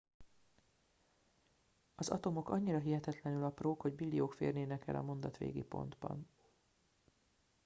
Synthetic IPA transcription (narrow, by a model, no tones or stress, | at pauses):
ɒzɒt̪o̞mo̞kɒɲːiɾɒɦiɦɛt̪ɛt̪lɛnylɒproːkho̞ɟbilːijoːkfḛːrneːnɛkɛ̰lɒ̰mo̞nd̪ɒt̪ʋḛːɡipo̞̰nd̪bɒ̰n